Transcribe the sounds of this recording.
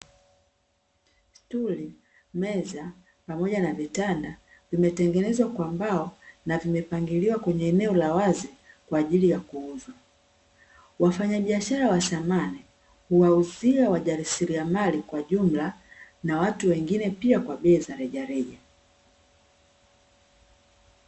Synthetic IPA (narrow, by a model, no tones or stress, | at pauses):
stuli | mɛza | pamɔʄanavitanda | vimɛtɛŋɡɛnɛzwakwambaɔnavimɛpaŋɡiliwakwɛɲɛːnɛɔlawazi | kwaːʄilijakuuzwa | wafaɲaɓiaʃaɾawasamani | huwauziawaʄaɾisiɾiamalikwaʄum̩lanawatuwɛŋɡinɛpiakwaɓɛːzaɾɛʄaɾɛʄa